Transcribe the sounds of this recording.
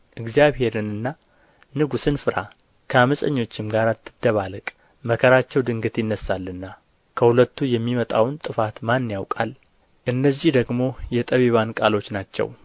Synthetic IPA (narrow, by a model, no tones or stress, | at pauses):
ʔɨɡzijaβhe̞ɾɨnɨnːa | nɨɡusɨnfɨɾa̰ | kʰəaməsʼəɲːo̞t͡ʃːɪmɡaɾat̪ʰːɨd̪ːəβalɨkʼ | məkʰəɾat͡ʃːɛwd̪ɨŋɡɨt̪jɪnːəsːalːɨnːa | kʰəhulət̪ːujɛmːimət̪ʼawnt̪ʼɨfat̪manːjawkʼal | ʔɨnːəzːihd̪əɡmo̞jɛt̪ʼəβeβankʼalo̞t͡ʃːnat͡ʃːɛ̰w